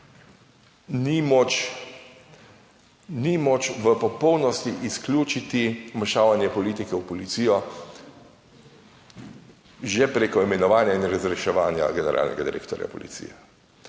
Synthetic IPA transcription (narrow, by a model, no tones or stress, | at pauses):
nimɔt͡ʃ | nimɔt͡ʃʋəpɔpɔwnɔst̪iʔisklʲjuːt͡ʃit̪imaʃaːʋanjɛpɔliːt̪ikɛwpɔlit̪sijɔ | ʒɛpɾeːkɔimɛnɔʋaːnjainɾazɾɛʃɛʋaːnja̰ɡɛnɛɾʔa̰ːlnʔɛ̰ɡad̪iɾḛːkt̪ɔɾja̰pɔ̰lḭt̪sḭjɛ